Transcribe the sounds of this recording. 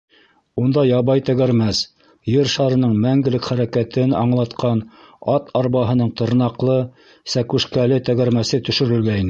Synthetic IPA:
und̪ɑjɑβɑjt̪æɡæɾmæs | jɘɾʃɑɾɤ̆nɤɴmæŋɡɘ̆lɘkχæɾækæt̪ɘnɑ̰ɴlˠɑt̪qɑn | ɑt̪ʰɑɾβɑɦɤ̆nɤɴt̪ɤ̆ɾnɑqlˠɤ | sækʉʃkælɘt̪æɡæɾmæsɘt̪ɵ̆ʃɵ̆ɾɘ̆lɡæinɘ

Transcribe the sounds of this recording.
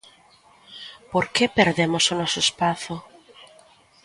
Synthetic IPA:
poɾkepeɾðemosʊnɔsʊespaθʊ

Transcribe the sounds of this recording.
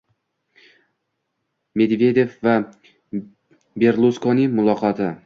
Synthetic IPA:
me̞d̪ve̞d̪e̞fva | be̞ɾlˠuskɒnimʊlˠɒqʰɒt̪ʰɪ

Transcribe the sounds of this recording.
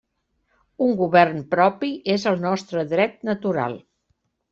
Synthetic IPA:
uŋɡuβɛrnpɾɔpiʔezəlˠnɔst̪ɾəðɾɛt̪nət̪uɾa̰lˠ

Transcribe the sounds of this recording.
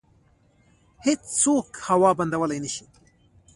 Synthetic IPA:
het͡st͡sokhɐwɑbɐnd̪ɐwəlajniʃi̥

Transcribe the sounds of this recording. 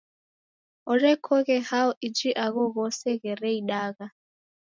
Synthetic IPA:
ɔrɛkʰɔɣɛhaɔʔid͡ʒiʔaɣɔɣɔsɛɣɛɾɛiɗaːɣa

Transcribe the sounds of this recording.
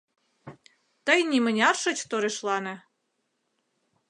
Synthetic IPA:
t̪əjnʲimə̆nʲɑrʃə̆t͡ɕt̪oɾeʃlɑnĕ

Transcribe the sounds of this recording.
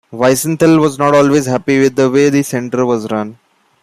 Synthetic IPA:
ʋaɪsə̃nt̪ʰəlʋɔːznɔːʈɔːlʋeːzɦæpiʋɪd̪əʋeːd̪isɛ̃ɳʈəɾʋɔːzɾʌ̃n

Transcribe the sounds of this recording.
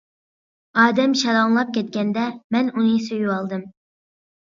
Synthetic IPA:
ɑːd̪ɛmʃɑɾɑŋlˠɑp̚kʲʰɛt̪̚kʲɛnd̪ɛmɛnunɨsøjyɑlˠd̪ɨm

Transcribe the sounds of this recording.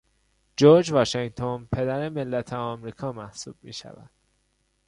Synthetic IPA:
d͡ʒoɾd͡ʒvɒːʃeŋt̪ʰonpʰe̞d̪æɾemelːæt̪ʰeɒmɾiːkʰɒːmæhsuːb̥̚mḭːʃæ̰væ̰d̪̥

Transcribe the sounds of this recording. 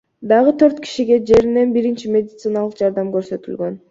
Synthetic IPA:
d̪ɑʁɯt̪ʰø̞ɾt̪kʲi̥ʃiɡe̞d͡ʒe̞ɾine̞nbiɾint͡ʃimʲe̞d̪ʲɪt̪sɨnɑlˠəqd͡ʒɑɾd̪ɑmɡøɾsø̞t̪ylɡø̞n

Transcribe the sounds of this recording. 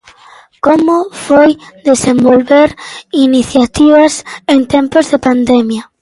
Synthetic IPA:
komofojd̪esẽmbolβeɾiniθjat̪iβasent̪ẽmpozðepand̪emja

